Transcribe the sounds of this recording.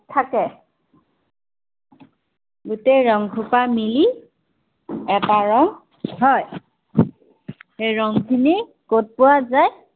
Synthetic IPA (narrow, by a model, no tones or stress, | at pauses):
tʰakɛ | ɡuteɹɔŋɡʱupamili | ɛtaɹɔŋ | ɦɔj | ejɹɔŋkʰine | kot̚pʊwazaj